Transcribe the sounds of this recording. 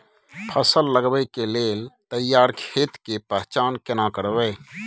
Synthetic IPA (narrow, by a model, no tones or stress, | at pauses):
pʰəsəlːəɡbəjkeleːlt̪əjaːɾkʰeːt̪kepɛɦt͡ʃaːnkɪnakəɾʋəː